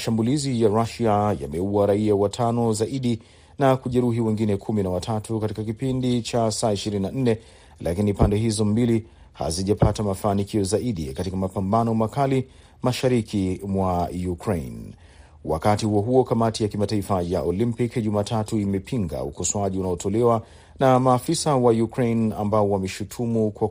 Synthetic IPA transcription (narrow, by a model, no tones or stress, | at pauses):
maʃambulizijaɾaʃaja̰mɛuwaɾaiawatʰanɔzaʔiɗi | nakuʄɛɾuɦiwɛŋɡinɛkʰuminawatʰatukatikakipindit͡ʃasaːiʃiɾininan̩nɛ | lakinipandɛɦizɔmbili | ha̰ziʄapʰatamafaːnikiɔzaiɗḭkatikamapambanɔmakali | maʃaɾikʰimwajukɾejn | wa̰katihuɔɦuɔkamatijakimataifajaʔɔlimpikʄumaːtʰatuimɛpʰiŋɡa̰ukɔswaʄiunaɔtʰɔlɛwa | namaːfisawajukɾejna̰mbaɔwamɛʃutʰumukwa